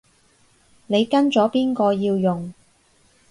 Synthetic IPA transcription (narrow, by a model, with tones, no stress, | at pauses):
ne˨˧jkɐ˥nt͡sɔː˨˥piː˥nkɔː˧jiː˧wjʊ˨ŋ